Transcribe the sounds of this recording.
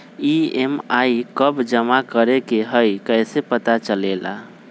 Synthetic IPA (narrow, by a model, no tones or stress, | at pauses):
iemaikəbd͡ʒəmakəɾekeɦəjkəjsepət̪at͡ʃəlela̰